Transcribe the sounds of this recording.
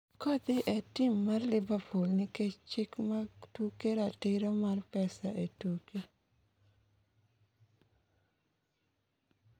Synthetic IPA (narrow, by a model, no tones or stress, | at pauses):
kod̪ɪʔetɪmːarlɪbapolnɪket͡ʃɪkmatukeɾatɪɾɔmarpɛsaʔetuke